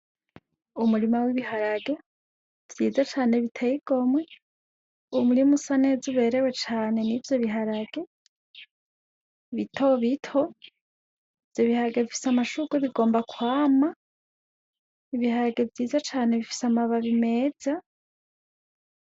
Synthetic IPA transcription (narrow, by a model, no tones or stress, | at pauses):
umuɾimawiβiɦaɾaɡe̞ | v̥jiːzat͡ʃaːne̞βitʰeiɡ̥o̞mwe | umuɾimusane̞zuβe̞ɾe̞we̞t͡ʃaːne̞nivjo̞βiɦaɾaɡe̞ | βitʰo̞βitʰo̞ | ivjo̞βihaɾaɡe̞βifi̥samaʃuɡweβiɡo̞ːmbakwaːma | iβihaɾaɡe̞vjiːzat͡ʃaːne̞βifi̥samaβaβime̞ːz̥a